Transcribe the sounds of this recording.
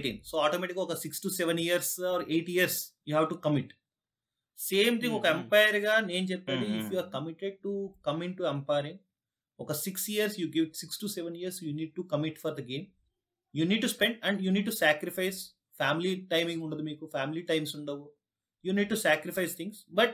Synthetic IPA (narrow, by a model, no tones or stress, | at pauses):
ʈḭnsoːaːʈomɛːʈikɡaɔkɐsiksʈusɛʋɐniɐɾsɔːɾeːʈiɐɾsjuːɦaʋʈukɐmiʈ | seːmt̪ʰĩŋɡɔkɐempajɐɾɡaːne̞ːnut͡ʃɛpːaːɖiifjuaːɾkɐmiʈːeɖ̚ʈukɐmiɳʈuempɐjɐɾiŋ | ɔkɐsiksjiɐɾsjuːɡiʋʈsiksʈusɛʋɐnijɐɾsjuːniːɖ̚ʈukɐmiʈfɔɾd̪ɐɡeːm | juːniːɖ̚ʈuspeɳɖɐ̃ɳɖjuːniːɖ̚ʈusaːkɾipajs | faːmiliʈɐjmĩŋɡuɳɖɐd̪umiːkufaːmiliʈɐjmsuɳɖɐʋo | juːniːɖ̚ʈusæːkɾifɐjst̪ʰĩŋɡsbɐʈ̚